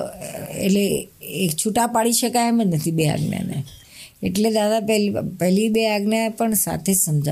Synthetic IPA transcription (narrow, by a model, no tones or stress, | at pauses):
ḛʈleekt͡ʃʰuʈapaɽiʃəkajemẽnət̪ʰibea̰ɡnja̰nḛ | ḛʈled̪ad̪apɛlpɛɦlibeaɡnjapəɳsa̰t̪ʰesəmd͡ʒa̰